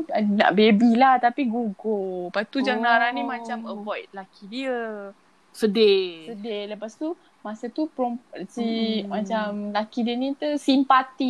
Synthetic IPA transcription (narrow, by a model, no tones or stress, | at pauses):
na̰ʔbebilaht̪apiɡuɡolpat̪ud͡ʒaŋnaɾanĩmãt͡ʃaməbɔjt̪̚lakidiə | sədesədeləpast̪u | masət̪upɾɔmsimãt͡ʃamlakidiənĩt̪usimpat̪i